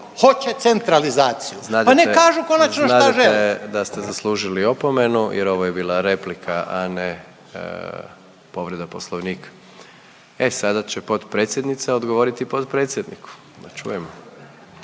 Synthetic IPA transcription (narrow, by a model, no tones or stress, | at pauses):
hot͡ɕet̪sent̪ɾalizaːt̪sijuznapanekaːʒukonast͡ʃnoʃnaaʒeled̪ast̪ezaslˠuːʒilio̞pome̞nujeɾo̞ʋoje̞biːlˠaɾe̞plikʰaʔanḛ | po̞ʋɾed̪apo̞slˠoʋniːkḁ | esad̪at͡ɕepo̞d̪pɾet̪sjed̪nit̪seod̪ɡoʋo̞ɾit̪ipod̪pɾet̪sjed̪nḭkʰu̥ | d̪at͡ʃṵjemo